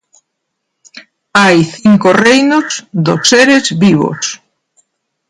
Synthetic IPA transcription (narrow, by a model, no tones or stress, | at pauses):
ajθiŋkorejnozd̪osːeɾezβiβo̰s